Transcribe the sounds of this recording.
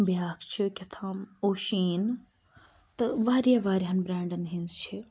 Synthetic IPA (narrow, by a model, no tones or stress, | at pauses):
bijaːkʰt͡ʃʰikʲɐt̪ʰãːmoːʃiːn | t̪ɐʋaːɾijaʋaːɾiɦanbɾɛ̃ːɳɖɐnɦinzt͡ʃʰi